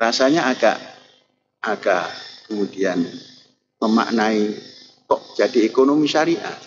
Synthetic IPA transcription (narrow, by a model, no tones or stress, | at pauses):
rasaɲaːɡa̰ʔ | aɡakəmudian | məma̰ʔnai | kɔʔd͡ʒadiekonomiʃaɾiʔa̰